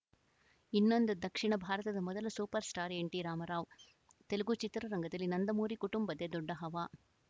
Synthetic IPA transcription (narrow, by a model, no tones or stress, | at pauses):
inːond̪ud̪ɐkʂiɳɐbʱaːɾɐt̪ɐd̪ɐmɔd̪ɐlɐsuːpɐɾsʈaːɾeɳʈiɾaːmɐɾaːʋ | t̪eluɡut͡ʃit̪ɾɐɾɐŋɡʱɐd̪ɐlːinɐnd̪ɐmuːɾikuʈumbɐd̪ed̪ɔɖːɐɦɐʋaː